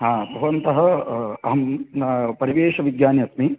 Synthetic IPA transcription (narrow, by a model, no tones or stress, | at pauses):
ɦaːbʱɐʋɐnt̪ɐɦɐ̆ɐɦɐm | pɐɾiʋeːʃɐʋiɡjaːnjɐsmi